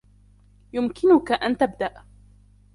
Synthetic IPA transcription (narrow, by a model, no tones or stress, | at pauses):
jʊmkʰɪnʊkaʔant̪abd̪aʔ